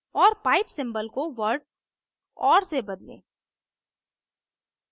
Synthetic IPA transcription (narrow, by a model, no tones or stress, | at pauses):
ɔːɾpaːɪpsɪ̃mbəlkoʋəɾɖ | ɔːɾsebɐd̪lḛ̃ː